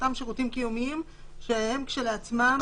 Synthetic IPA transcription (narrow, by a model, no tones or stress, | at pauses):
t̪amʃeʁutimkijumiim | ʃehemkʃe̞leat͡smam